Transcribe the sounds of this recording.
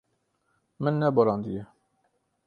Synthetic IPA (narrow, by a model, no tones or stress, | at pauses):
mənːæbɾˤɑnd̪ijæ